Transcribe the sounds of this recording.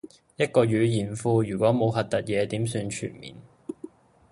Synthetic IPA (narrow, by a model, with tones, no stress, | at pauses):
jɐ˥t̚kɔː˧jyː˨˧jiː˨˩nfuː˧jyː˨˩kʷɔː˨˥mo˨˧wɦɐ˨t̚t̪ɐ˨t̚jɛː˨˧t̪iː˨˥msyː˧nt͡ʃʰy̰ː˨˩nmḭː˨n